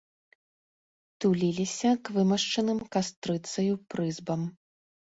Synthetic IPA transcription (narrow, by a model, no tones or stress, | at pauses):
t̪ulʲilʲisʲɐkvɨmɐʂt͡ʂɐnɨmkast̪ɾɨt̪sɐjupɾɨzbɐm